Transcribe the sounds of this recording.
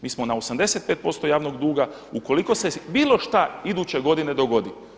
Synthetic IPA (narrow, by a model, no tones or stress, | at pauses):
miːsmo̞naosamd̪e̞se̞t̪̚peːt̪̚po̞st̪o̞jaːʋnoɡd̪uːɡa | uko̞liko̞se̞biːlˠo̞ʃt̪aid̪uːt͡ɕe̞ɡo̞d̪ine̞d̪oɡo̞d̪i